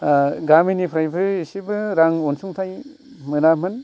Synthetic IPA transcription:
ɡaminipʰɾajbɯisibɯɾaŋonsuŋtʰaj | mɯnamɯn

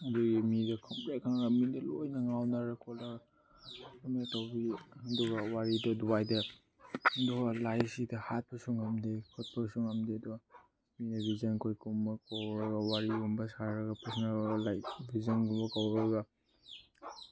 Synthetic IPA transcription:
ɐduɡimidɐkʰɐmpɾakʰaŋɡamidɐlojnɐŋawnaɾakʰɔlaɾ | metawbiɐduɡawaɾidɔduwajdɐː | duɡalajsidɐhat̚pɐsuŋamdikʰɔt̚pɐsuŋamdiɐduɡa | minɐbizankʰojkumɐkawɾɐɡawaɾiumbɐsaɾɐɡɐpesnaɾaɡalajbizanɡumbɐkawɾɐɡa

